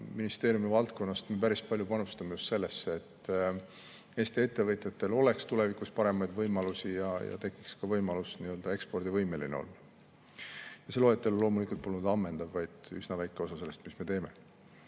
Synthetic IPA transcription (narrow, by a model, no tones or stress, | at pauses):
minist̪e̞ːɾijumivɑlt̪ko̞nːɑst̪me̞pæɾispɑlʲjupɑnust̪ɑmejust̪se̞lːe̞sːeet̪ː | e̞ːst̪ie̞t̪ːe̞vɤt̪ˑjɑt̪ːˑe̞lo̞le̞kst̪ule̞vikuspɑɾe̞mɑjd̪vɤjmɑlusijɑjɑ̰t̪e̞kːˑikskɑvɤjmɑlusniø̞ld̪ɑe̞kspo̞rd̪̥ivɤjme̞linḛo̰lː | jɑse̞lo̞ːet̪ːˑe̞lulo̞ːmulikult̪̚polːund̪̥ɑmːe̞nd̪̥ɑvvɑjd̪̥ysnɑvæjkːˑe̞o̞sɑse̞lːe̞st̪misme̞t̪e̞ːme̞̰